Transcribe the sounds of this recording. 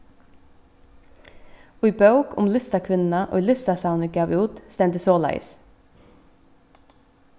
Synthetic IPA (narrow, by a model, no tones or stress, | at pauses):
oːiːbɑʉkʰʊ̰mlɪst̪ɑkʰʋɪnn̩ɑʔo̰ːilɪst̪ɑsɑʊnəɡɑːʋuːt̪st̪ɛmd̪əsoːlæ̰ɪs